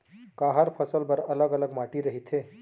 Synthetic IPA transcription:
kaːɦəɾpʰɐsəlbɐɾɐləɡɐləɡmaːʈiɾɐɦit̪ʰeː

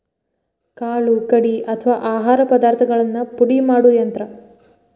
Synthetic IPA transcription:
kaːɭukɐɽiʔɐt̪ʰɐʋaːʔaːɦaːɾɐpɐd̪aːɾt̪ʰɐɡɐɭɐnːɐpuɽimaːɽujɐnt̪ɾɐ

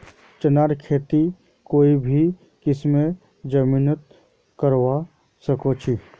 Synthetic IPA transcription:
t͡ʃənaːɾkʰeːt̪i | koːibʱi | kɪsmẽ | d͡ʒɐmiːnət̪ | kəɾʋa | sɐkot͡ʃʰi

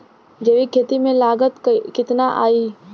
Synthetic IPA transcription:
d͡ʒeːʋikʰeːt̪imẽlaːɡət̪kɪt̪naʔaːiː

